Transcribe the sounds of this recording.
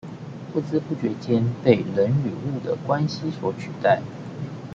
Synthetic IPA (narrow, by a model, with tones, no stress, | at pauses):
fu˥˧t͡sɹ̩˥pu˥˩t͡ɕɥɛ˧˥t͡ɕjɛ˥npe˥˩ɪlə˧˦ny˨˩u˥˩d̪ə̰˩kwa˥nɕi˨˥swɔ˧˥t͡ɕʰy˨˩t̪a˥˩ɪ